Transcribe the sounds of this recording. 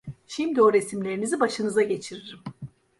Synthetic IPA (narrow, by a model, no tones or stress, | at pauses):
ʃimd̪io̞ɾe̞simlʲe̞ɾinizibaʃɯnɯzaɟe̞t͡ʃʰiɾiɾim